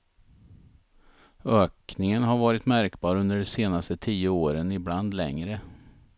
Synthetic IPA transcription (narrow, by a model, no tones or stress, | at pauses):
øːknɪŋənɦaɾvɑːɾɪt̪mæɾkbɑːɾɵnd̪əɖɛseːnast̪ət̪ʰiːəoːɾənɪbland̪lɛ̰ŋɾə